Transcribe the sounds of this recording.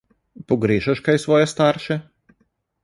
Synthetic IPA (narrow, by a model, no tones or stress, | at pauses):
pɔɡɾeːʒɐʃkajsʋɔːjɛst̪aːɾʃɛ